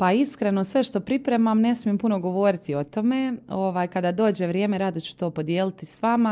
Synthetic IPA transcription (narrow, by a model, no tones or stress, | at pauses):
paiskɾe̞no̞sʋe̞ʃt̪o̞pɾipɾe̞mamne̞smije̞mpuno̞ɡo̞ʋo̞ɾit̪io̞t̪o̞me̞o̞ʋaːjkad̪ad̪o̞ːd͡ʑe̞ʋɾjeːmeɾad̪ot͡ɕu̥t̪o̞ːpo̞d̪jeːlit̪isʋama